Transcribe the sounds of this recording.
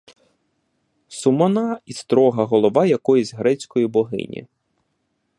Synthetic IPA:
sʊmɔnɑist̪ɾɔɦɐɦɔlˠɔʋɑjɐkɔjuzʲɦɾɛt͡sʲkɔjibɔɦɪ̰nʲḭ

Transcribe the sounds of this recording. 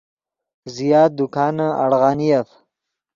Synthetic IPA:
zijɑːd̪ʊkɑːnaa̰ɽɣɑːnijaf

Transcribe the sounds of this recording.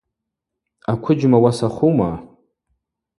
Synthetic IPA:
akʷʰʊd͡ʒmawasaχuma

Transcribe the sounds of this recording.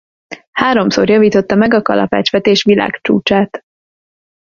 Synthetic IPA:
haːɾo̞mso̰rjɒviːt̪o̞t̪ːɒmɛɡɒkɒ̰lʔɒ̰pa̰ːt͡ʃʋɛt̪eːʃʋila̰ːkt͡ʃṵːt͡ʃaːt̪

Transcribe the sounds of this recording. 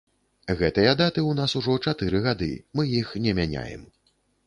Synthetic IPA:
ɣɛt̪ɨjɐd̪at̪ɨunasuʐɔt͡ʂat̪ɨɾɨɣad̪ɨ̰mɨjixnʲɛmʲanʲa̰jɛ̰m

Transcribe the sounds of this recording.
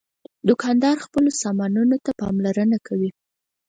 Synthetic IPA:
d̪ʊkɑnd̪ɑɾxpəlosɑmɑnunot̪apɑ̰mlaɾənakʰawi

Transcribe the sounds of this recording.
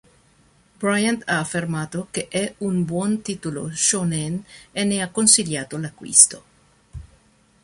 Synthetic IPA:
bɾajant̪aːfːermaːt̪okeʔɛunbwɔnt̪iːt̪ulo̰ʃoneneneakːonsiljaːt̪olakːwḭst̪o

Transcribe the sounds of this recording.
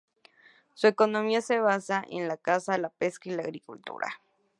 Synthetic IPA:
suekonomiaseβasaʔḛnlakasalapeskailaaɣɾikult̪ṵɾa̰

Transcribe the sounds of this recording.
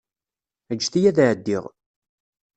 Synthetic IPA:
əd͡ʒːθijæðʕəd̪ːiʁ

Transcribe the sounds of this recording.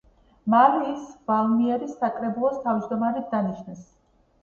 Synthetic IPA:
malɛːsv̥alˠmiɛɾisːakʼɾɛbulˠɔst̪ʰaviʃd̪ɔmaɾid̪̚d̪aniʃnɛs

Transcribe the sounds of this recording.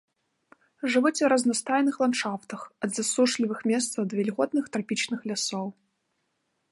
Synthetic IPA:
ʐɨvɨt͡sʲwɾɐznɐst̪ajnɨxlˠant̪ʂaft̪ɐxɐd̪zasuʂlʲivɨxmʲɛst̪sɐd̪vʲɛlʲɣɔt̪nɨxt̪ɾapʲit͡ʃnɨxlʲasɔw

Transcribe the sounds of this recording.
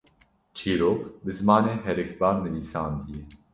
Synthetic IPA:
t͡ʃʰeːɾoːkbɨzmaːneːɦɛɾɨkbaːɾmɨliːsaːnd̪ije

